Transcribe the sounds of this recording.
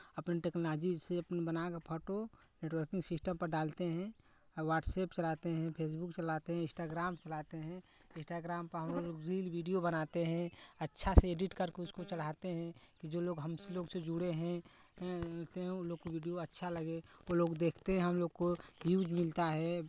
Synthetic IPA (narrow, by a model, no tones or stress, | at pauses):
ɐpneʈeːknolaːd͡ʒiseɐpnebɐnakapʰoːʈo | neːʈwəɾkɪ̃ŋɡsɪsʈəmpɐɾɖaːlt̪eɦɛ̃ | ʋaːʈseːpt͡ʃɐlat̪eɦɛ̃pʰeːs̬bʊkt͡ʃɐlat̪eɦɛ̃ɪ̃sʈaːɡɾaːmt͡ʃɐlaːt̪eɦɛ̃ | ɪ̃sʈaːɡɾaːmpɐɾɦɐmloloːɡɾiːlʋiːɖijobənat̪eɦɛ̃ɐtːʃʰaseeːɖɪʈkɐɾkeʊskot͡ʃɐɽ̤at̪eɦɛ̃kid͡ʒoːloːɡɦɐmseloːɡsed͡ʒʊɽeɦɛ̃ | t̪eɦɛ̃loːɡ̚koʋiːɖijoɐtːʃʰalɐɡeoloːɡd̪eːkʰt̪eɦɛ̃ɦɐmloːɡ̚kojuːd͡ʒmɪlt̪aɦɛ